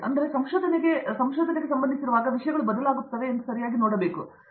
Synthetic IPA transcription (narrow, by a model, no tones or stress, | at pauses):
ɐ̰nd̪ɐɾesɐmʃoːd̪ʱɐneɡe̞sɐmʃoːd̪ʱɐneɡesɐmbɐnd̪isiɾuʋaːɡɐʋiʂɐjɐɡɐɭubɐd̪ɐlaːɡupt̪ːɐʋeːnd̪usɐɾijaːɡinoːɽɐbeːku